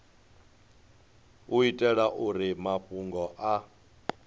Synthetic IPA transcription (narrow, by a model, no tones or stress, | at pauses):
uitʼɛɺaʔuɾimaɸʼuŋɡɔʔa